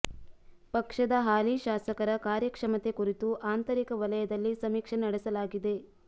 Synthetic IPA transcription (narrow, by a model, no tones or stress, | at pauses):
pɐkʂɐd̪ɐɦaːliʃaːsɐkɐɾɐkaːɾjɐkʂɐmɐt̪ekuɾit̪uʔaːnt̪ɐɾikɐʋɐlɐjɐd̪ɐlːisɐmiːkʂɐnɐɽesɐlaːɡid̪e̞